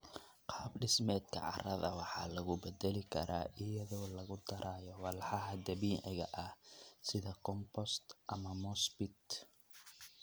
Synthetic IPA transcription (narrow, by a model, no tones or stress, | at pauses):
qɑːbɖɪsmɛːd̪kʰɐ̰ʕɑrɐðɐwɑħɑːlɐɣʊbɛd̪ɛlɪkʰɐ̰ɾʔa̰ːʔɪjɐðɔːlɐɣʊd̪ɐɾʔaːjɔwɑlħɑɦɐd̪ɐβiːʕɪ̰ɣɐ̰ʔɐhsɪðɐkʰɔmpɔst̪ʔɐmɐmɔsbɪt̪